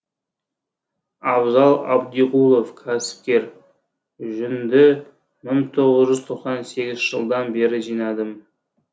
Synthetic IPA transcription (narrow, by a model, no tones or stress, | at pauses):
ɑbzɑlˠɑ̰bd̪iqulˠo̞fkʲʰæsɪ̥p̚kʲe̞ɾ | ʒʏnd̪ɪ | məɴt̪ʰo̞ʁəzʒʏzt̪ʰo̞qsɑnse̞ɡʲɪzʒ̥əlˠd̪ɑnbe̞ɾɪʒijnɑd̪əm